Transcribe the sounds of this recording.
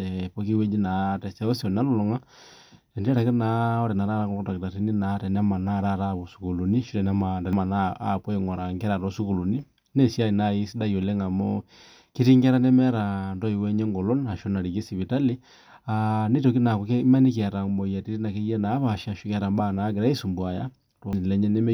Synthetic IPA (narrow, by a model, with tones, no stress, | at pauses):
ɛpɔ˦ki˦wɛ˦d͡ʒi˦na˨tɛ˨sa˦ɔ˦sɔ˨n˨a˦lu˦lɔ˨ŋa˦ | ɛ˨ndɛ˦ɾa˨ki˦na˨ɔ˦ɾɛ˨na˨ɾa˦ɾa˦ŋɔ˦ɔ˦ta˨ki˨ta˨ti˦ni˦na˨˦tɛ˨na˦ma˨na˦˨ɾa˦ɾa˦˨βo˨su̥˨ku˨lu˨ni˦ʃi˦ɛ˨na˦ma˨ndɛ˨ma˨na˦a̰pwɔ˦i˨ŋɔ˨ɾa˨ŋɡɛ˦ɾa˨ɾɔ˦su˦ku˨lu˨ni˦ | ne˦si˦a˦i˨na˦i˦si˦da˦jo˨lɛ˦ŋa˨mɔ | ki˦ɾi˦ŋɡɛ˦ɾa˦nɛ˦mɛ˦ɾa˨ndɔ˦i˨wɛ˦ɲɛ˦ŋɡɔ˨lɔ˦na˨ʃo˦na˨ɾi˨ke˦si˨βi˨ta˦li˦ | a˨ne˦to˨ki˦na˨kɔ˨kɛ˦ma˦ni˦kɾa˨mɔ˨ja˨ti˦ɾi˦na˨kɛ˦jɛ˦naː˨˦βa˨ʃa˨ʃu˦kɛ˦ɾa˨mba˦˨na˨˦ɡe˨ɾa˦i˦su˨mbwa˨ja˦ | tɔ˨lɛ˦ɲɛ˦nɛ˦mɛ˦